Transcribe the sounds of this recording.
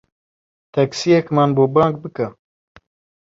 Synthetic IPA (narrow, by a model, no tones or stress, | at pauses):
t̪ʰɛksijɛkmaːnboːbɑ̃ːŋk̚bɨkɐ